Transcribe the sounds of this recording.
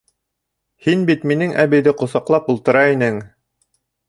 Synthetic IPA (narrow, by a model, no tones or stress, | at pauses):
hinbit̪minɘŋʔæβɘ̆jðɘqŏsɑqlˠɑpulˠt̪ɤ̆ɾɑinɘŋ